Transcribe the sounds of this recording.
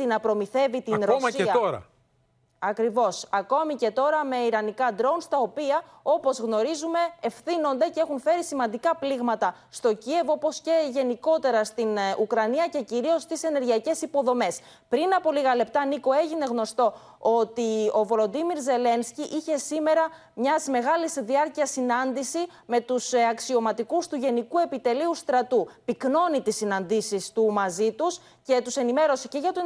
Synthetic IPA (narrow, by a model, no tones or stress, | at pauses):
inɐpɾo̞miθe̞vit̪inɾosɐsɐoɾɐ̰ | ɐkɾivo̞sɐko̞mice̞t̪o̞ɾɐme̞iɾɐnikɐd̪ɾo̞nst̪ɐo̞piɐ | o̞po̞zɣno̞ɾizume̞ːfθino̞nd̪e̞cee̞xunfe̞ɾisimɐnd̪ikɐpliɣmɐt̪ɐst̪o̞cie̞vo̞po̞sce̞ʝe̞niko̞t̪e̞ɾɐst̪inukɾɐniɐce̞ciɾio̞st̪ise̞ne̞ɾʝiɐce̞sipo̞ðo̞me̞s | pɾinɐpo̞liɣɐle̞p̚t̪ɐniko̞e̞ʝine̞ɣno̞st̪o̞ | o̞t̪io̞volo̞d̪imiɾze̞le̞nsciʔiçe̞sime̞ɾɐ | mɲɐzme̞ɣɐlizðiɐɾciɐsinɐnd̪isi | me̞t̪usɐksio̞mɐt̪ikust̪uʝe̞nikue̞pit̪e̞liust̪ɾɐt̪upikno̞nit̪isːinɐnd̪isist̪umɐzit̪us | ce̞t̪use̞nime̞ɾo̞siceʝɐt̪u